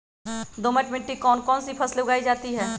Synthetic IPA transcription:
d̪oːmɛʈmɪ̃ɳʈːikɔːnkɔːnsipʰɐsleʊɡaːid͡ʒaːt̪iɦɛː

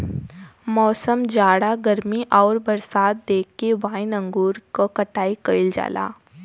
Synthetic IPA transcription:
mɔːsəmd͡ʒaːɽaɡɐɾmiʔɔːɾbɐɾsaːt̪̚d̪eːkːeʋãːɪnə̃ŋɡuːɾkokɐʈaːikəɪld͡ʒa̰ːla̰ː

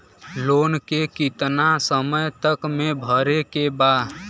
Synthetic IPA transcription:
loːnkekit̪nasəməjt̪əkmẽbʱəɾekebaːd̪

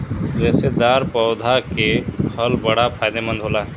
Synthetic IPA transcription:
d͡ʒɛːsed̪aːɾpɔʊd̪ʱakehəlbəɽapʰaːjd̪emə̃nd̪ɦoːlaɦ

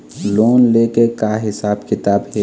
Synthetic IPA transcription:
loːnlekekaɦɪsaːbkɪt̪aːbɦe

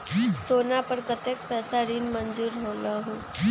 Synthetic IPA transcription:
t̪oːnapəɾkət̪eːk̚pɛːsaɾiːnmənd͡ʒuːɾɦoːlaɦõː

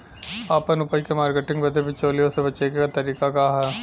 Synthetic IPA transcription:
aːpənʊpəikemaːɾkeʈɪ̃ŋɡbɐd̪ʱebʱɪt͡ʃoːlijõsebɐt͡ʃeɡekat̪ɐɾiːkakaɦɛː

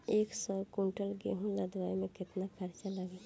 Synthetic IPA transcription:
eːksɔɾkuɳʈəlɡḛɦũlad̪ʋaimẽkɪt̪nakʰaɾt͡ʃaləɡe

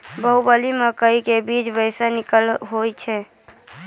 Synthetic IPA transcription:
bəubəliməkəikebid͡ʒbəɪsənɪkəlɦojt͡ʃʰɛ

